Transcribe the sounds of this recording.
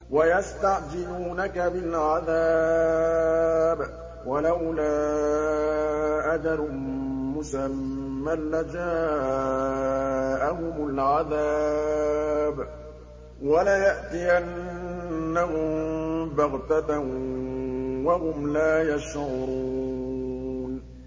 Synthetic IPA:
wajast̪aʕd͡ʒɪluːnakabɪlʕaðaː | b | walawlaː | ʔad͡ʒɑɾː | ʊsamːalːad͡ʒaː | ʔahʊmʊlʕaða | b | walajaʔt̪ɪjanː | ahʊmbaɣt̪at | wahʊmlaːjaʃʕʊɾuu | n

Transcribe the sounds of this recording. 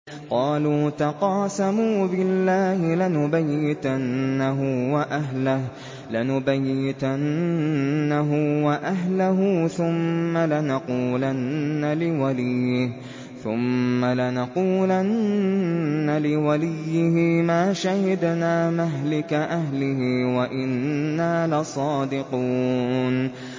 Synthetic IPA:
qɑːluːt̪aqɑːsamuːbɪlːaːhɪlanʊbajːɪd̪anːaɦʊwaʔaɦlah | lanʊbajːɪd̪annːaɦʊwaʔaɦlaɦʊθʊmːalɪnɑquːlanːalɪwalɪjːɪh | θʊmːalanɑquːlanː | alɪwalɪjːɪhɪmaːʃahɪd̪naːmaɦlɪkaʔaɦlɪhɪwaʔɪnːaːlɪsˤɑːd̪ɪquːn

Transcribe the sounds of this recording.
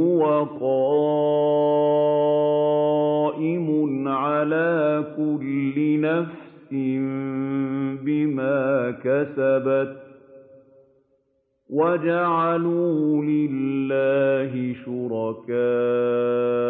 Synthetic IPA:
ʊwaqɑ | ʔɪmʊnʕalaːkʊlːɪnafsɪm | bɪmaːkasabat̪̚ | wad͡ʒaʕaluːlɪlːaːɦɪʃʊɾɑkaː

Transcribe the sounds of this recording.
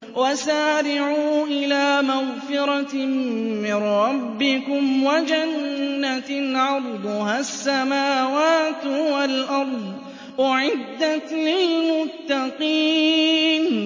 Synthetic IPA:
wasaːɾɪʕuːʔɪlaːmaɣfɪɾɑ | mɪnɾɾˤɑbːɪkʊmwad͡ʒanːaʕɑɾˤd̪ˤʊhaːsːamaːwaːt̪walʔɑɾˤd̪ˤ | ʔaʕɪd̪ːat̪liːmʊt̪ːaqiːn

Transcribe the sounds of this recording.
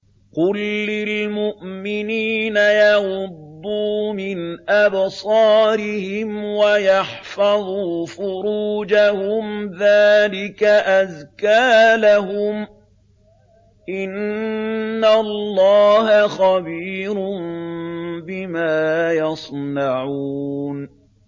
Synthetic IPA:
qʊlːɪlmʊʔmɪniːnajɑɣʊd̪ːuːmɪnʔabsˤɑːɾɪhɪmwajɑħfɑðˤuːfʊɾuːd͡ʒahʊmðaːlɪkaʔaðkaːlaɦʊm | ʔɪnː | allːɑːɦaxɑbiːɾʊn | bɪmaːjɑsˤnɑʕuːn

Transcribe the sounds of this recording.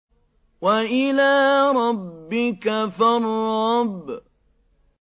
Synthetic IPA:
waʔɪlaːɾˤɑbbːɪkafarˤːɑb

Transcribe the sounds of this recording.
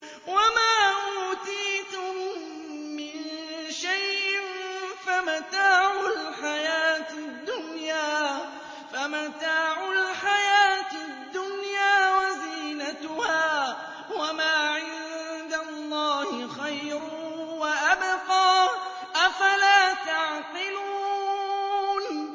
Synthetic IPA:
wamaːʔuːt̪iːt̪ʊmː | ɪnʃajʔʔɪnfamat̪aːʕʊlħajaːt̪ɪd̪ːʊnjaː | famat̪aːʕʊlħajaːt̪ | d̪ːʊnjaːwaziːnat̪ʊhaː | wamaːʕɪnd̪alˤːɑːhɪxajɾ | waʔabqɑː | ʔafalaːt̪ɑʕqɪluː | n

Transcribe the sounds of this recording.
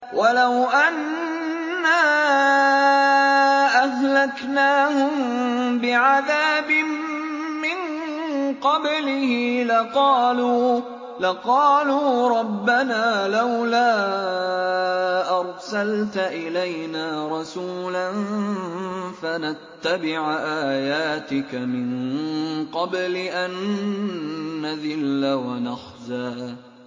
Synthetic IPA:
wʔalawʔanː | aː | ʔaɦlaknaːhʊmbɪʕaðaːbɪmmɪŋ | qɑblɪhɪlɪɑːlː | laqɑːluːɾˤɑbːanaːlawlaː | ʔɑɾˤsalt̪aʔɪlajnaːɾˤɑsuːlan | fanat̪ːabɪʕʔaːjaːt̪ɪkamɪn | qɑblɪʔan | aðɪlːawanaxzaː

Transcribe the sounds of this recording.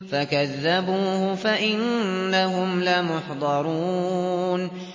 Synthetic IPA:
fakaðːabuːhʊfaʔɪnːaɦʊmlamʊħd̪ˤɑɾˤuːn

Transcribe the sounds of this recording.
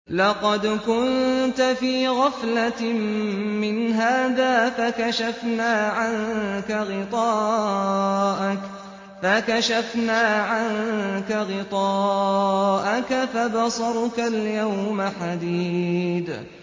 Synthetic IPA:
lɑqɑd̪kʊnt̪afiːɣɑflammɪnɦaːðaːfakaʃafnaːʕaŋkaɣɪt̪ˤɑː | ʔ | fakaʃafnaːʕaŋkaɣɪt̪ˤɑː | ʔakafabɑsˤɑɾˤkaljawmaħad̪iːd̪

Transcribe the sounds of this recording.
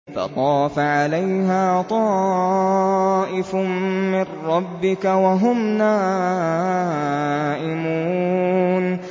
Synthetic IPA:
fɑ̰t̪ˤɑːfaʕalajɦaːt̪ˤɑː | ʔɪfmɪrːɑbːɪkawaɦʊmnaː | ʔɪmuːn

